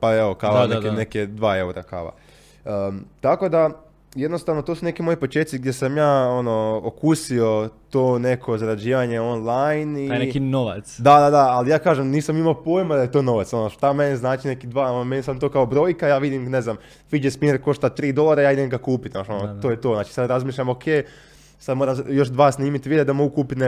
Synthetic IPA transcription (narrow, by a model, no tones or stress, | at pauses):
paeʋokaʋanekeneked̪ʋaːe̞uɾaka̰ʋa̰ | ət̪ako̞d̪a | jed̪no̞st̪aːʋnot̪osune̞kimo̞jipot͡ʃeːt̪siɡ̚d̪je̞samjaːono̞okusio̞t̪oːne̞kʰo̞zaɾad͡ʑiːʋaɲe̞o̞nlˠajninekinoʋa̰t̪sd̪ad̪ad̪aalijaːkaːʒemniːsamimaopoːjmad̪ajet̪o̞ːno̞ʋat̪so̞noʃt̪ame̞niznaːt͡ʃinekid̪ʋaːonomenisad̪mt̪oːkaobɾo̞ːjkajaːʋid̪imne̞znam | fid͡ʒespineɾko̞ʃt̪at̪ɾiːd̪o̞lˠaɾajaːid̪emɡakuːpit̪naʃonot̪oːjet̪o̞znaːt͡ʃi̥sad̪ɾazmiːʃʎamo̞kʰeː | sad̪moːɾamjo̞ʃd̪ʋaːsniːmit̪ʋid̪ed̪amo̞ɡukuːpit̪ne